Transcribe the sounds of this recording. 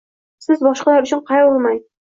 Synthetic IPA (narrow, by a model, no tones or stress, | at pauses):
sɪzbɒʃqɑlˠæɾʉ̆t͡ʃʰɪɴqʰɑjolˠmɑj